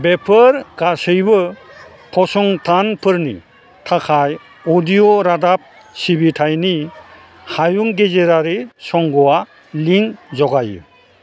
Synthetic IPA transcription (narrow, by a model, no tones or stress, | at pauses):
bepʰɯɾɡasɯjbɯ | pʰɔsɔŋtʰanpʰɯɾnḭ | tʰakʰaj | odijoɾadap̚ | sibitʰajni | hajuŋɡezeɾaɾesɔŋɡɔwa | liŋzɔɡajɯ̰